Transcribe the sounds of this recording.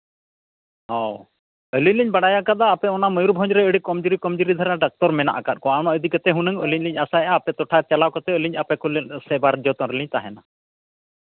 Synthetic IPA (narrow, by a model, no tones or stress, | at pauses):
ɔw | əliɲliɲbaɽajakat̪aːpɛɔnaməjuɾbʱɔ̃ɲd͡ʒɾɛəɽikɔmd͡ʒuɾikɔmd͡ʒuɾid̪ʱaɾaɖak̚t̪ɔɾmɛna̰ʔakat̪̚ˀkɔañɔəd̪ikət̪ɛɦunəŋəliɲliɲasaɛʔaːpɛt̪ɔʈʰat͡ʃɛlakɔt̪ɛəliɲapɛkɔlsɛbaɾd͡ʒɔt̪ɔɾəliɲt̪aɦɛna